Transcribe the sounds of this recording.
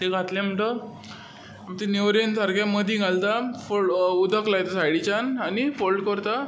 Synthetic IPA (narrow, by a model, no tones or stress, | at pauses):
t̪eɡʱat̪lẽm̤əɳʈə | mt̪eneʋɾent̪ʰaɾɡaməd̪ʱĩɡʱalt̪afoud̪ʱəklajt̪asajɽit͡ɕananifolɖkəɾt̪a